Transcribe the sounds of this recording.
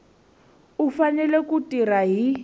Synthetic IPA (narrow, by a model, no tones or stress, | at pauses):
ufanɛlekutʼiraɦi